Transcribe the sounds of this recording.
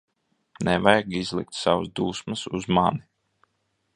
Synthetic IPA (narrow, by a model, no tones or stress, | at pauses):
nɛvajɡizlˠik̚t̪savazd̪uːsmasuzmani